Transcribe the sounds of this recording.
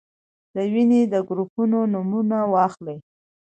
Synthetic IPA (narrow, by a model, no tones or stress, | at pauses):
d̪əwined̪əɡɾupunonʊmunawɑxlej